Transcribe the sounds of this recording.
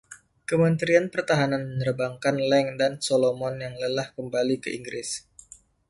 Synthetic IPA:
kəmənt̪ɾianpərt̪aɦananməɲərbaŋkanlɛŋdansolomɔnjaŋləlahkəmbalikəʔiŋɡɾɪs

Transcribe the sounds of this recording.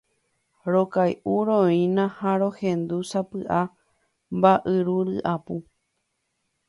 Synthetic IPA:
ɾokajʔuɾõĩnãhaɾo̞hẽnd̪usapɨʔa | mbaʔɨɾuɾɨʔapu

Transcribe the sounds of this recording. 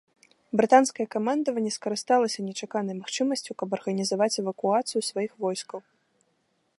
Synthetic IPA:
bɾɨt̪anskɐjɛkamand̪ɐvɐnʲːɛskɐɾɨst̪alˠɐsʲɐnʲɛt͡ʂakanɐjmaxt͡ʂɨmɐsʲt͡sʲukɐbɐrɣɐnʲizavat͡sʲɛvɐkuat̪sɨjusvajixvɔjskɐw

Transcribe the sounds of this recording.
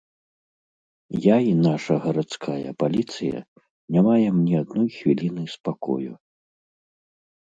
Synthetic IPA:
jainaʂɐɣɐɾat̪skʰajɐ̰palʲit̪sɨjɐ̰ | nʲamajɛmnʲɛad̪nɔjxvʲilʲinɨjspakɔ̰jṵ

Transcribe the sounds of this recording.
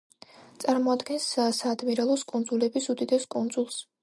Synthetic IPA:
t̪sʼaɾmɔad̪ɡɛnssaːd̪miɾɛlˠɔskʼund̪zulɛbisud̪id̪ɛskʼund̪zulˠs

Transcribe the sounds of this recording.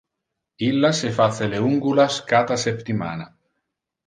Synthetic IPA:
ilːasefaθeleuŋɡulaskat̪asept̪ima̰na

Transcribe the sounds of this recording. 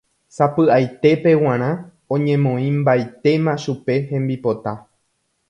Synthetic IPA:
sapɨʔajt̪e̞pe̞w̃ãɾ̃ã | õɲẽ̞mõ̞ĩmbajt̪e̞mãʃupe̞hẽ̞mbipo̞t̪a

